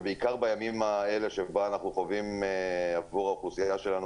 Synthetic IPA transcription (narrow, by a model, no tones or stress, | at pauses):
beikaʁbajamimaele̞ʃebaːnaχnuχovimeavuʁaχusijajaʃelanu